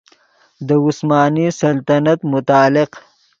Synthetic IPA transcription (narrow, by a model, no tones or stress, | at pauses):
d̪əʊsmɑːnisɐlt̪anat̪mʊt̪ɑːlɪq